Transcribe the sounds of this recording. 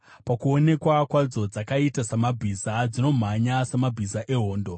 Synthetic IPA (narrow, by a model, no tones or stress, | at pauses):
pakuo̞ne̞kwakwad͡zo̞d͡zakaitasamabʱizad͡zino̞m̤aɲasamabʱizaʔe̞ɦo̞ːndo̞